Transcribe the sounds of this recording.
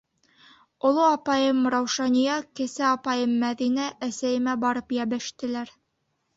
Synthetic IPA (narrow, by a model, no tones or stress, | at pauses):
ŏlˠoɑpɑjɤmɾɑwʃɑnʲijɑkɘ̆sæɑpɑjɤmːæðinæʔæsæjɘ̆mæbɑɾɤpjæbɘ̆ʃt̪ɘ̆læɾ